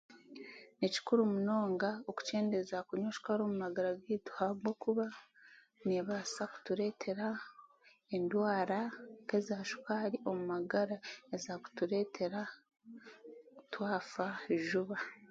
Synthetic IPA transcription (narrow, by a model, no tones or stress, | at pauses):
neci̥kuɾumuno̞ːŋɡaoku̥ce̞ːndezakuɲoʃu̥kaɾoːmumaɡaɾaɡiːtu̥haɡɡokuβa | neβasaku̥tuɾe̞ːtʰe̞ɾa | endwaːɾake̞zaːʃu̥kaɾiʔo̞mumaɡaɾaezaku̥tuɾe̞ːtʰe̞ɾa | kutwaːfaeʒuβa